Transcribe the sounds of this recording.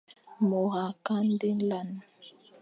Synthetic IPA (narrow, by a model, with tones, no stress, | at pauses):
mo˨ha˨ka˦n˦de˦n˦la˦˨n˨